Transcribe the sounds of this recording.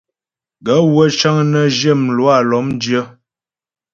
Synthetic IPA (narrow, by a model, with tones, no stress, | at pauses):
ɡə˨˦wə˦t͡ʃa˦ŋnə˦d͡ʒjə˦˨m˨lwa˦˨lɔ˨˦mn˦djə˦